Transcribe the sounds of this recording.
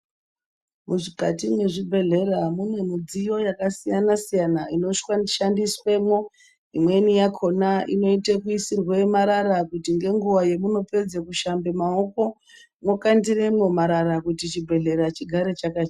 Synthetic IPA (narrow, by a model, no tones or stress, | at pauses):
muʐikatimwe̞ʐibʱe̞ɮe̞ramune̞mud͡zijo̞jakasijanasijanaino̞ʃaʃandiswemwo̞ | imwe̞nijakʰo̞naʔḭno̞itekuisirwe̞maɾarakutiŋɡe̞ŋɡuʋaje̞muno̞pe̞d͡zekuʃambe̞mao̞ko̞ | mwo̞kandire̞mwo̞maɾaɾakutit͡ʃibʱe̞ɮe̞ɾat͡ʃiɡʱaɾe̞t͡ʃakat͡ʃ